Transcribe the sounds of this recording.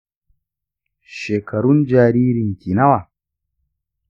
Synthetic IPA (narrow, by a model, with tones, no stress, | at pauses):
ʃeː˨kɐ˨ɾu˦nd͡ʒaː˨ɾiː˦ɾi˨ŋkʲi˨na˦wa˨